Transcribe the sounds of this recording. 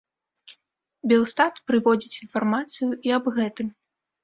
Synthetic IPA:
bʲɛlˠst̪at̪pɾɨvɔd͡zʲit͡sʲinfarmat̪sɨjuʔiɐbɣɛt̪ɨm

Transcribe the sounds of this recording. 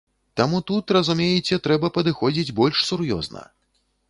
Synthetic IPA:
t̪amut̪ut̪rɐzumʲejɛt͡sʲɛt̪ɾɛbɐpɐd̪ɨxɔd͡zʲid͡zʲbɔlʲʂsuɾjɔ̰znɐ̰

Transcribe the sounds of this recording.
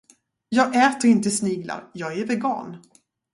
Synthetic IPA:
jɑːɡɛːt̪əɾɪnt̪əsniːɡla̰ɾjɑːɡæɾvɛɡɑ̰ːn

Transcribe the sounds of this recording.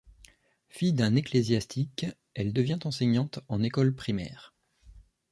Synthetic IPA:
fijd̪ɛ̃neklezjast̪ʰik | ɛld̪əvjɛ̃t̪ɑ̃sɛɲɑ̃t̪ɑ̃nekɔlpχimɛ̰ːʁ

